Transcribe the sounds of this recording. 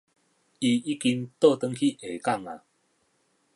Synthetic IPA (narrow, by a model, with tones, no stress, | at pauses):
i˧i˦ki˧ŋt̪o˥˧˨t̪ə˧ŋkʰi˦˧ʔe˨ka˥˨ŋa̰˨